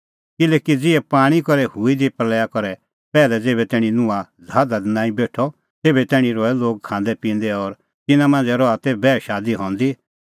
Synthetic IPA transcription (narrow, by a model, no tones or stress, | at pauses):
kɪlɛːkid͡zɪɛpaːɽ̃ikɔɾɛhuid̪ipɾlɛːjakɔɾɛ | pɛːlɛd͡zeːbɛt̪ɛːɽ̃inʊ̃ã | d͡zʱaːd̪ad̪nãːĩbeːʈʰɔ | t̪eːbɛt̪ɛːɽ̃ĩɾɔɛloːɡ̚kʰãːnd̪ɛpĩːnd̪ɛɔɾ | t̪ɪnãmãːnd͡zɛɾɔat̪ebɛːʃaːd̪iɦɔ̃ːnd̪i